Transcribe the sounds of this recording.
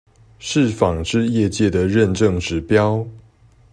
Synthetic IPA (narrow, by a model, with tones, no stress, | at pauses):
ʂɻ̩˥˨fɑ˨˩ŋʈ͡ʂɻ̩˥˧jɛ˥˧t͡ɕjɛ˥˨˩d̪ə˩ɻə˥˨˧nʈ͡ʂɤ˥˨ŋʈ͡ʂɻ̩˧˥pjɑ˥˦ʊ